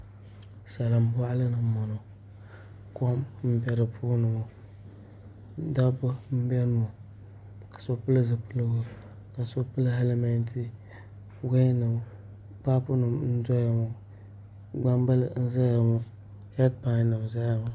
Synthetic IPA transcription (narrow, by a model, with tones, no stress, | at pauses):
sa˨la˨mba˦ʔlɨ˦nɨ˨mɔ˨no˨ | ko˦mm̩˦bɛ˨ɾɨ˨pʰuː˦nɨ˨bʊ˨˦ | da˦bʊ˦m̩˦bɛ˦nu˨a˨ | kḁ˨so˦pɨ˦lɨ˦zɨ˨pɨ˦lɨ˦ɡʊ˦ | ka˨so˦pɨ˦la˦ɦɛ˦le˦mɛ˦ntʰi˦ | fu˦ɡa˦nɨ˨b | pa˦pʊ˦nɨ˨mn̩˦dɔ˦ja˨ŋʊ˦ | ɡ͡ba˦mba˦lɨ˨n̩˦za˦ja˨ŋɔ˦ | hɛ˦d̚pa˨˦nːɨ˨bza˦ja˨ma˨˦